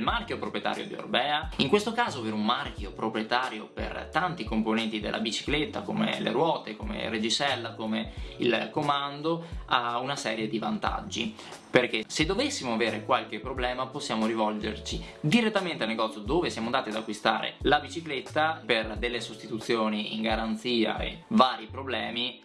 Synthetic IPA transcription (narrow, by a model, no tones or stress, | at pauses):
lmarkjopɾopɾjet̪a̰ːɾjo̰d̪io̰rbɛːaiŋkwest̪okaːzoaveɾeumːark̟jopɾopɾjet̪aːɾjopḛrt̪ant̪ikomponɛnt̪id̪ḛlʔa̰bit͡ʃi̥klet̪ːakomḛlḛɾwɔːt̪ekomḛred͡ʒisɛlːakomeḭlkomand̪oaunasɛːɾjed̪ivant̪a̰d͡ʒːḭ | perk̟esed̪ːovesːimoaveːɾekwalk̟epːɾoblɛːmaposːjaːmoɾivɔld͡ʒḛrt͡ʃid̪iɾet̪ːament̪ealneɡɔt̪sjod̪oːvesjaːmond̪aːt̪iad̪akːwist̪aːɾḛlabit͡ʃiklet̪ːaperd̪elːesost̪it̪ut̪sːjoːniḭŋɡaɾant̪siːa̰ḛvaːɾipɾoblɛːmi